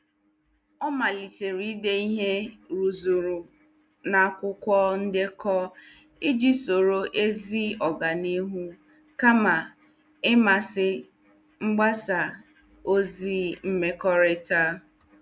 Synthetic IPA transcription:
ɔ˦ma˨li˨t͡ʃe˨ɾi˦de˦i˦ɦe˦ɾu˨zu˨ɾu˨ | na˨˦kʷʊ˦kʷɔ˦n̩˦dɪ˦kɔ˦ | i˦d͡ʒi˦so˨ɾo˦ʔe˦zi˦ɔ˨ɡa˨ni˦ɦu˦ | ka˦ma˨ | ɪ˦ma˨sɪ˦ | ŋ͡m̩˦ɡ͡ba˦sa˨ | o˦zi˦m̩˦me˦kɔ˦ɾɪ˦ta˦

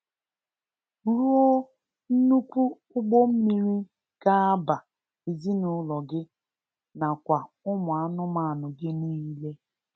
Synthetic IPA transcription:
ɾu˦o˦ | n̩˦nu˦kʷu˦ | ʊ˦ɡ͡bo˦m̩˦mi˦ɾi˦ | ka˦a˦ba˨ | i˨zi˦nʊ˨˦lɔ˨ɡɪ˦ | na˨kʷa˨ | ʊ˦mʊ˨a˦nʊ˦ma˨a˨nʊ˨ɡɪ˦ni˦i˦le˦

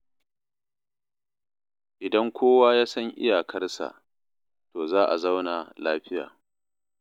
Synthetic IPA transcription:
ʔɪ˨dɐ˦ŋkʷʰoː˦waː˦jaː˦sɐ˦ŋʔɪ̰˦jaː˨kʰɐ˦rsa̰˨ʔ | toː˨zaː˦ʔa̰˨za˦wna˨laː˦ɸɪ˦ja̰ː˨

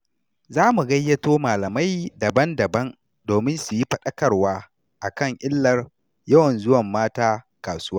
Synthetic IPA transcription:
zaː˦mu˨ɡɐ˦jːɐ˦toː˦maː˨lɐ˨ma˦jdɐ˨bɐ˦ndɐ˨bɐ˦n | doː˨mɪ˦nsu˨ji˦ɸɐ˦˨ɗɐ˦kɐ˨rwaː˦ | ʔa˨kɐ˦˨ŋʔɪ˦lːɐ˦r | jɐ˦wɐ˨nzʊ˦wɐ˨mːaː˦taː˦ | kaː˨sʊ˦waː˦

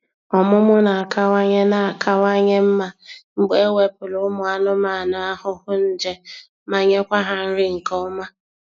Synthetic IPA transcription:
ɔ˨mʊ˦mʊ˦na˨a˨ka˦wa˦ɲe˦na˨a˨kʰa˦wa˦ɲe˦m̩˦ma˨ŋ͡m̩˨ɡ͡be˦we˦pʊ˨lʊ˨˦mʊ˨a˨nʊ˦ma˨na˨a˦hʊ˦hʊ˦n̩˦d͡ʒe˦ | ma˨ɲe˦kʷa˦ɦa˨n̩˦ɾɪ˦ŋ̩˨kɔ˦ʊ˦ma˦

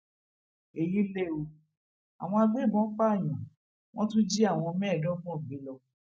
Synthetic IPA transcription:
e˨ji˦le˦o˧ | a̰˨w̃ɔ̃˧a˧ɡ͡be˦˨bɔ̃˨˦k͡pa˦˨j̃ɔ̃˨ | w̃ʔɔ̃˦tũ˦d͡ʒi˦a˦˨w̃ɔ̃˧mɛ̃ː˦˨dɔ̃˦fɔ̃˦˨ɡ͡be˨˦lɔ˧

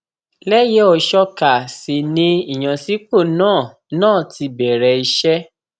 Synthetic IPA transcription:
lɛ˦je˨˦ɔ˧˨ʃɔ˧ka˨si˨nĩ˧i˨j̃ã˨si˨˦k͡po˦˨nãː˦˨ | nãː˦˨ti˧bɛ˨ɾɛ˧i˧ʃɛ˦

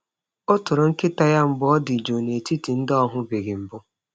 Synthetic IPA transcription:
ʊ˦tʊ˨ɾʊ˨ŋ̩˦kɪ˦ta˦ja˦m̩˨˦bʊ˦ɔ˦dɪ˨d͡ʒo˨ne˨ti˦ti˨n̩˦dɔ˦ɦʊ˦be˨ɡɪ˨m̩˨bʊ˦

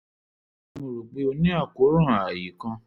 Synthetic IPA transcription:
nũ˧ɾu˨ɡ͡be˧˦o˧nĩ˦a˦˨ko˨˦ɾũ˦ã˨a˨ji˨˦kã˧

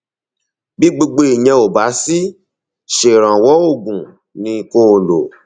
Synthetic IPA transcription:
bi˦ɡ͡bo˧ɡ͡be˧i˨jɛ̃˧o˨ba˨˦si˦ | ʃe˨ɾ̃ã˨wɔ˨˦o˦˨ɡũ˨ | nĩ˧˦ko˦˨lo̰˨

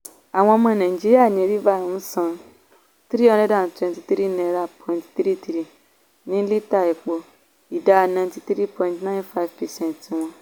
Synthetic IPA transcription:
a˨w̃ɔ̃˧ɔ˧mã˧nã˨ĩ˨d͡ʒi˦ɾi˦a˦˨nĩ˨˦e˨˧ɾi˦va˦˨ũ˨m̩˦sã˧ | t̪ɾi˦ɔ̃˦˧dɛ˦da˨n˨twɛ̃˧nti˧t̪ɾi˦nɛ̃˨˧˨ɾa˦˨pʰɔ̃˨ĩ˨ntt̪ɾi˦t̪ɾi˦˨ | nĩ˦li˦ta˦˨ɛ˨k͡po˧ | i˨da˦˧nã˧˨nti˧t̪ɾi˦pɔ̃˧ĩ˨ntnã˦nfa˦i˨vpɛ˨sɛ̃˦nti˧w̃ɔ̃˧

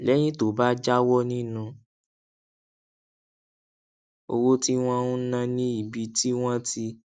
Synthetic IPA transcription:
lɛ˨˦j̃ĩ˦to˨ba˦d͡ʒa˦wɔ˦nĩ˦nũ˧ | o̰˧wo˦ti˦w̃ɔ̃˦ũ˦nã˧nĩ˦i˨bi˧ti˦w̃ɔ̃˦ti˧

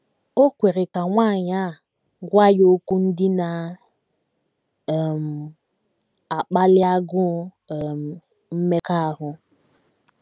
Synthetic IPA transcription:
o˦kʷe˨ɾɪ˨ka˨ŋʷa˦˨ɲa˦˨ | ɡʷa˦jo˦ku˦n̩˦dɪ˦na˨ | m̩˨ | a˨k͡pa˦lɪ˦a˦ɡʊ˦˨ | m̩˨ | m̩˦me˦ka˦˨ɦʊ˦

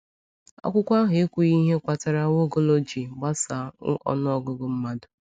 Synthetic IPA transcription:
a̰˦kʷʊ˦kʷa˦ɦʊ˨e˦kʷu˨i˦ɦe˦kʷa˨ta˨ɾa˦wo˦ɡo˦lo˦d͡ʒi˨ba˦sa˨˦ɔ̰˦n˦ɔ˦ɡʊ˦ɡʊ˨m̩˦ma˦dʊ˨

